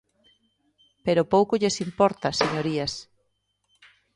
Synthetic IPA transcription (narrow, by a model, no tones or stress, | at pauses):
peɾopowkoʎesimpɔɾt̪ɐseɲoɾias